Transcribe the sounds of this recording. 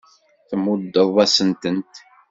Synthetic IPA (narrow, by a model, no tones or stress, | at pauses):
θəmʊd̪ːəðˤæsənt̪ənt̪